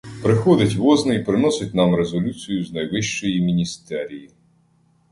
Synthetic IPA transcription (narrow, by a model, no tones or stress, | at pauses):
pɾɪxɔd̪ɪtʲʋɔznɪipɾɪnɔsʲɪt̚ʲnɑmɾezɔlʲut͡sʲijʊznɐjʋɪʃt͡ʃɔjimʲinʲist̪ɛɾʲiji